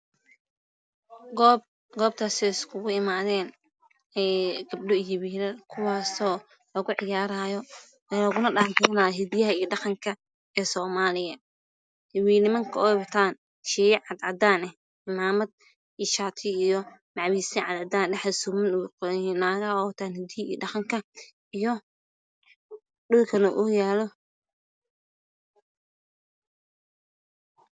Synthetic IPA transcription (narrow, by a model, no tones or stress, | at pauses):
ɡb | ɡɔːb̚t̪ʰaːsɛɪskʰʊɣʊɪmaːðɛːn | ɛɡɐb̚ɖʊjɪwiːlɐkʰʊwaːsɔː | lɐɣʊʕɪjaːɾaːjɔ | ɛlɐɣʊnɐɗant̪ʰɛnaːjɔɦɛd̪jɐɦɐijɐɖɑqɑŋkʰɐ | ɛːsɔːmaːlɪjɐ | hɪwiːnɪmɐŋkʰɐɔwɐt̪ʰaːn | ʃɛːjɛʕɑd̪ʕɑd̪aːnɛh | ɪmaːmɐd̪̚ | iʃaːt̪ʰɪijɔmaʕwiːsɪʕɑd̪ʕɑd̪aːnɖɛħsumɐnʊqnaːɣɐɔːt̪ʰaːnhɪd̪ɪjḭːɖɑχɑŋkʰɐ | ijɔ | ɗʊlkʰɐnɐʔʊjaːlɔ